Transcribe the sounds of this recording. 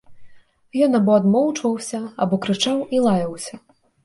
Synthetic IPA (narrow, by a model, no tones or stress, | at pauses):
jɔnabɔːd̪mɔwt͡ʂvɐwsʲɐabɔkɾɨt͡ʂawilˠajɐwsʲɐ